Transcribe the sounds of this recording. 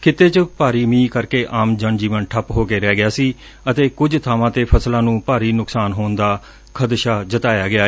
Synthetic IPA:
kʰɪt̪ːeːt͡ʃəpaːɾiːmĩːkəɾkeːʔaːmd͡ʒənd͡ʒiːʋənʈʰəpɦoːkeːɾɛːɡɪjaːsiː | ət̪eːkʊd͡ʒt̪ʰaːʋãːt̪eːpʰəslãːnũːpaːɾiːnʊksaːnɦoːnd̪aː | kʰəd̪ʃaːd͡ʒət̪aːjaːɡɪaː

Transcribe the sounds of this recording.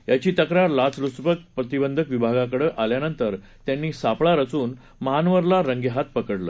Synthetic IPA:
jat͡ɕiːt̪əkɾaɾlat͡sluspək̚pɾət̪ibənd̪ʱəkʋibʱaɡakəɽəʔaljanənt̪əɾ | t̪janːiːsapɭaɾət͡suːn | məɦanʋəɾlaɾəŋɡjəɦat̪̚pəkəɽlə̰ː

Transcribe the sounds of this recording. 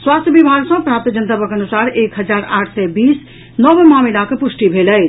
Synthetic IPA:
swast̪ʰjəbibʱaɡsə̃pɾap̚t̪id͡ʒənt̪əpəkənusaɾekɦəd͡ʒaɾaʈʰsɛbis | nɔbmamilakepusʈibʱelɛ

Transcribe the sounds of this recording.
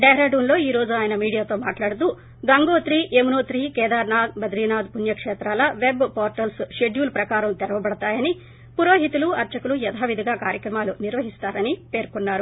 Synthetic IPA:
ɖɛːɾaːɖuːnlo̞ːiːɾo̞ːd͡ʒuaːjɐnɐmiːɽijaːt̪o̞ːmaːʈlaːɽut̪uː | ɡɐŋɡoːt̪ɾiːʔemunoːt̪ɾiːkɛːd̪aːɾnaːd̪bɐd̪ɾiːnaːd̪punjɐkʂɛːt̪ɾaːlɐʋe̞bpoːɾʈɐlsʃeɖjuːlpɾɐkaːɾɐmt̪ɛɾɐʋɐbɐɽɐt̪aːjɐni | puɾo̞ːɦit̪uluɐɾt͡ʃɐkulujɛd̪ʰʱaːʋid̪ʱiɡaːkaːɾjɐkɾɐmaːluniɾʋɐɦist̪aːɾɐnipe̞ːɾkunːaːɾu

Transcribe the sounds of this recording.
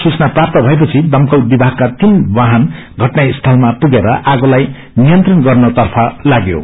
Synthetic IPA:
sut͡snaprap̚t̪ʌbʱʌepʌt͡sʰid̪ʌmkowbibʱakːat̪inbaɦʌn | ɡʱʌʈnaist̪ʰʌlmapuɡeɾʌʔaɡolaj | nijʌnt̪rʌnɡʌrnʌt̪ʌrpʰʌlaɡjo̰

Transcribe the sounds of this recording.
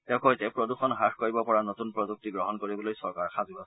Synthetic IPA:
tɛʊ̃kojtɛpɹɔduxɔnɦaxkoɹibɔpɔɹanotunpɹɔzuk̚tiɡɹɔɦɔnkoɹibɔlojsɔɹkaɹxazuasɛ

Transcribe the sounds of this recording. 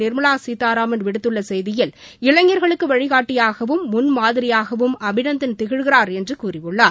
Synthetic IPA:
nɪɾmɯlaːsiːt̪ːaːɾaːmɐnʋɪɽɯt̪ːɯɭːɐsɛjðɪjɪl | ɪɻɐŋːɐɾɣɐɭɯkːɯʋɐɻɪɣaːʈːɪjaːɣɐʋɯmːʊnmaːðɪɾɪjaːɣɐʋɯmɐbɪnɐnd̪ɪnt̪ɪɣɪɻɣɪɾaːɾɛndrɯkuːɾɪʋɯɭːaː

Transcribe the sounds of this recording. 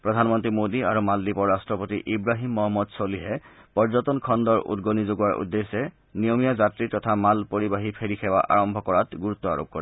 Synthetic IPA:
pɹɔdʱanmɔntɹimodiaɹumaldipɔɹɹastɹɔpotiʔibɹaɦimːɔɦɔmːɔdsoliɦɛ | pɔɹzɔtɔnkʰɔndɔɹʔṵdɡonizoɡuwaɹʔṵdːesɛ | nijomijazatɹitɔtʰamalpoɹibaɦipʰeɹikʰɛwa̰ʔa̰ɹɔmbʱɔkɔɹatɡuɹut̪ːɔa̰ɹo̰p̚kɔɹɛ

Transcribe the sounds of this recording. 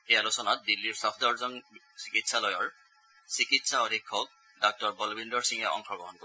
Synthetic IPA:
ejalosɔnat̪̚dilːiɹsɔpʰdɔɹzɔn | si̥kitsalɔjɔɹ | sikitsaɔdʱikʰːɔk̚ | dɔk̚tɔɹbɔlbindɔɹsiŋɛʔɔ̰ŋxɔɡɔɦɔnko

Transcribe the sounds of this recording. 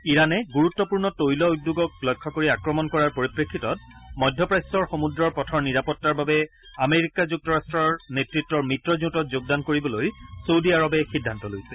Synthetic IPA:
iɹanɛɡuɹutːɔpuɹnɔtojlɔudːuɡɔk̚lɔjkʰːɔkoɹiakɹɔmɔnkɔɹaɹpoɹipɹekʰːitɔt̚mɔjdʱːɔpɹajsɔɹxomudɹɔɹpɔtʰɔɹniɹapɔtːaɹbabɛ | ameɹikazuk̚tɔɹastɹɔɹnetɹitːɔɹmitɹɔzutɔtzoɡ̚dankoɹibɔlojsowdiaɹɔbɛxidʱːantɔlojsɛ

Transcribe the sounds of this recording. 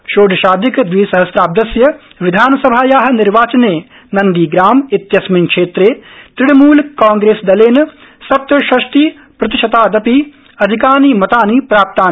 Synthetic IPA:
ʃoːɖ̪ɐʃaːd̪ʱikd̪ʋiːsɐɦɐsɾaːb̚d̪ɐsjɐ | ʋɪd̪ʱaːnɐsɐbʱaːjaːɦɐnɪɾʋaːt͡ʃɐneː | nɐnd̪iːɡɾaːmit̪jɐsmiŋkʂeːt̪ɾeːt̪ɾɪɽmuːlkaːŋɡɾeːsd̪ɐleːn | sɐp̚t̪ɐʃɐʃt̪iː | pɾɐt̪ɪʃɐt̪aːd̪ɐpi | ɐd̪ʱikaːniːmɐt̪aːniːpɾaːp̚t̪aːn

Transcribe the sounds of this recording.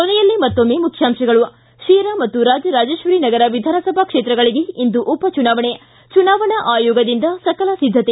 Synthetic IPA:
konɛjɐlːimɐt̪ːomːeːmukʰjaːmʂɐɡɐɭu | ʃiːɾamɐt̪ːuɾaːd͡ʒɐɾaːd͡ʒeːʃʋɐɾinɐɡɐɾɐʋid̪ʱaːnɐsɐbʱɐkʂeːt̪ɾɐɡɐɭiɡe̞ind̪uʔupɐt͡ʃunaːʋɐɳe | t͡ʃunaːʋɐɳɐʔaːjoːɡɐd̪ind̪ɐsɐkɐlɐsid̪ʱːɐt̪e

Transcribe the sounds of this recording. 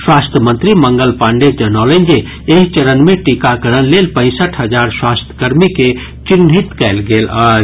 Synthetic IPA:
swaːst̪ʰjəmə̃nt̪ɾimə̃ŋɡəlpaːɳɖed͡ʒənaːlend͡ʒe | eɦt͡ʃəɾənmẽʈikakəɾənleːlpə̃ɪ̃səʈʰɦəd͡ʒaːɾswaːst̪ʰə̥kəɾmike | t͡ʃɪnɦit̪kɛːlɡeːlaː

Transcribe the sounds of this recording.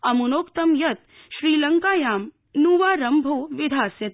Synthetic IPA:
ɐmunoːkt̪ɐmjɐt̪̚ | ʃɾiːlɐŋkaːjaːm | nuːʋaːɾɐmbʱoːʋɪd̪ʱaːsjɐt̪

